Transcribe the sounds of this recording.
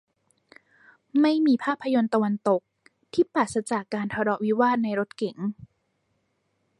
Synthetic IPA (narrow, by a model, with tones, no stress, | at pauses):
ma˥˩jmiː˧pʰaː˥˩pʰːa˧jo˧nt̪a˧wa˧nt̪o˨˩k̚ | t̪ʰiː˥˩paː˨˩t̪̚sa˧t͡ɕa˨˩kːaː˧nt̪ʰa˧ɾɔ˨˩ʔwi˦˥waː˥˩t̪̚na˧jɾo˦˥t̪̚ke˩˦ŋ